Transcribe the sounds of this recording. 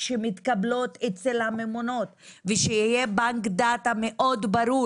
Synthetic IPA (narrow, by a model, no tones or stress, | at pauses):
ʃemit̪kablo̞t̪et͡selhamemono̞t̪veʃejijebaŋkd̪at̪ameʔo̞d̪baɾu